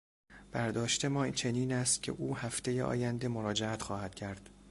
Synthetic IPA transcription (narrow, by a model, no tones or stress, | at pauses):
b̥æɾd̪ɒːʃt̪e̞mɒːt͡ʃʰe̞niːnæːst̪̚cʲʰe̞̰ʔuːhæft̪e̞jeʔɒ̰ːjænd̪e̞moɾɒːd͡ʒeæt̪xɒːhæd̪̥cʰæɾd̪̥